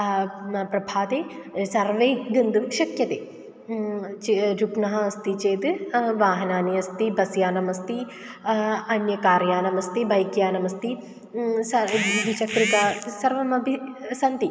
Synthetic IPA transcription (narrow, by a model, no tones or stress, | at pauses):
pɾɐbʱaːt̪eːsɐɾʋeːɡɐnd̪umʃɐkjɐt̪eː | t͡ʃɾupnɐɦɐɐst̪it͡ʃeːd̪ɨʋaːɦɐnaːniɐst̪ibɐsjaːnɐmɐst̪i | ɐnjɐkaːɾjaːnɐmɐst̪ibɐjkjaːnɐmɐst̪i | sɐʋit͡ʃɐkɾit̪aːsɐɾʋɐmɐbisɐnt̪i